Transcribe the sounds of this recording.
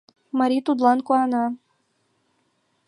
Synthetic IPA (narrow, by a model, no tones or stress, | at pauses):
maɾʲit̪ud̪lˠankʊana